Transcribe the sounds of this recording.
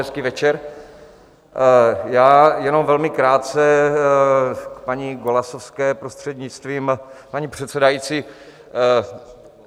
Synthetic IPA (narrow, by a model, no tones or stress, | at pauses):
ɛskiːvɛt͡ʃɛɾ | jaːjɛno̞mvɛlmɪkɾaːt̪̚t͡sɛ | kpaɲiɡolasofskɛːpɾost̪r̥ɛd̪ɲɪt͡st̪viːmpaɲipr̝̥ɛt̪sɛdajiːt͡si